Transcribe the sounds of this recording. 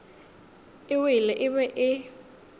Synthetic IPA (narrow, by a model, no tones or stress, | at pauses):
ɪwilɛʔɪɓɛʔɪ